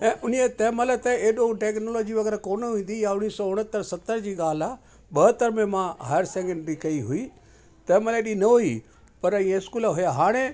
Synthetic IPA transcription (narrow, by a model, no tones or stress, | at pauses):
ɛ̃ːʔʊnijet̪ɛːmələt̪eeːɗõʈeːknoːlɔːd͡ʑiʋɐɡɛːɾakoːnɦũːnd̪ijaʊñːiːsɔːʊɽ̤̃ət̪ːəɾsɐt̪ːəɾd͡ʑiːɡaːla | ɓɐɦət̪ːəɾmẽmãɦaːjəɾseːŋɡə̃ɳɖɾikɐiɦʊiː | t̪ɛːməleːɗinɐɦʊi | pɐɾɐĩãɪskuːlɦʊjaɦaːɽ̃e